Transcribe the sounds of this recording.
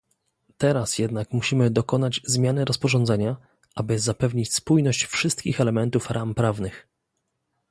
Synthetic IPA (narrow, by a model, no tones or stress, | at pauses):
t̪ɛɾasjɛd̪nakmuɕimɘd̪ɔkɔnad͡ʑzmʲjanɘɾɔspɔʐɔnd̪zɛɲa | ʔabɘzapɛvɲit͡ɕspujnɔɕt͡ɕfʂɘst̪̚kʲixɛlɛmɛnt̪ufɾʔampɾavnɘx